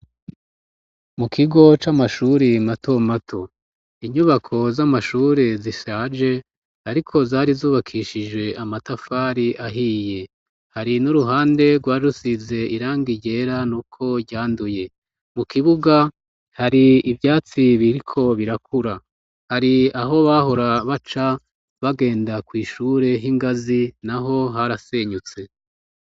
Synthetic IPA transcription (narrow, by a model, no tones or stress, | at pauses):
mukʰiɡo̞t͡ʃamaʃuɾinato̞matʰo̞ | iɲuβakʰo̞zamaʃuːɾeziʃaːd͡ʒe̞ | aɾikʰo̞zaːɾizuːβakʰiʃid͡ʒwe̞ʔamatafaːɾiʔaɦiːje̞ | haɾinuɾuɦaːnde̞ɡwaːɾusize̞iɾaːŋɡiɟe̞ɾanuːkʰo̞ɟaːnduje̞ | mukʰiβuɡa | haɾiːvjaːt͡siβiɾikʰo̞βiɾakʰuɾa | haɾiaɦo̞βaɦo̞ɾaβat͡ʃa | βaɡe̞ːndakwiːʃuːɾe̞ɦiŋɡazinaɦo̞ɦaɾase̞ːɲut͡se̞